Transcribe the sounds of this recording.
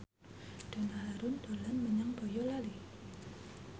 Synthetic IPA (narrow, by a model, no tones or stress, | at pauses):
d̥a̤naɦaɾʊnd̪̥olanməɲaŋb̥ojɔlali